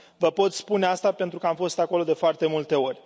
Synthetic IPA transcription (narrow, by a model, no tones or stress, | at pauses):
vəpo̞t̪spune̞ast̪ape̞nt̪ɾukəamfo̞st̪ako̞lo̞d̪e̞foart̪e̞mult̪e̞o̞rʲ